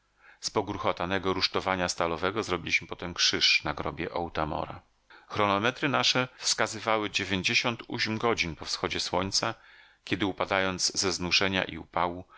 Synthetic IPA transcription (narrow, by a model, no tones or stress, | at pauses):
spɔɡuɾxɔt̪anɛɡɔɾuʂt̪ɔvaɲast̪alɔvɛɡɔzɾɔbʲilʲiɕmɘpɔt̪ɛmkʂɘʂnaɡɾɔbʲjɛʔɔwt̪amɔ̰ɾa̰ | xɾɔnɔmɛt̪ɾɘnaʂɛfskazɘvawɘd͡ʑevʲjeɲd͡ʑeɕɔnt̪ṵɕmɡɔd͡ʑinpɔfsxɔd͡ʑɛswɔɲʲt̪sa | kʲɛd̪ɘupad̪ajɔnd̪zzɛznuʐɛɲa̰ʔḭṵpawu